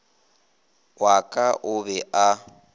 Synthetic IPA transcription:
wakʼaʔʊbɛʔa

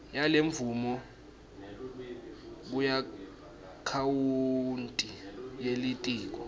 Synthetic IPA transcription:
jaleɱvumɔ | k̬uja | kʰawuntʼijelitʼiːk̬ɔ

